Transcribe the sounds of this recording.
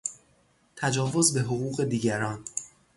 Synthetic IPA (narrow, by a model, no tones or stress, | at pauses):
t̪ʰæd͡ʒɒːvo̞zbe̞ɦoɣuːɣe̞d̪iːɟæɾɒːn